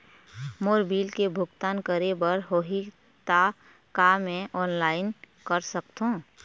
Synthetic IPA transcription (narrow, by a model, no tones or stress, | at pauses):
moːɾbiːlkebʱʊɡt̪aːnkəɾebəɾɦoːɦi | t̪a | kamẽʔɔːnlaːɪn | kəɾsək̚t̪ɦõː